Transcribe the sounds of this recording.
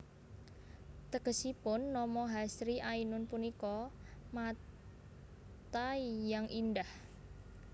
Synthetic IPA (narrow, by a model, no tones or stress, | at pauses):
t̪əɡəsipʊnːɔmɔɦasɾiʔainʊnpunikɔma | t̪aijaŋʔindah